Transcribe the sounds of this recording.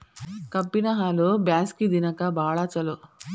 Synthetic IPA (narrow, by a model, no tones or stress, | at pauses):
kɐpːinɐɦaːlobjaːskid̪inɐkɐbaːɭaːt͡ʃɐlo